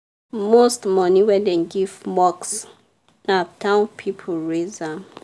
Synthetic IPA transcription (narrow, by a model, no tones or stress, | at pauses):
mostmɔniwɛ̃ndɛ̃nɡivmɔks | natʰãʊ̃npʰipʰɔlɹeza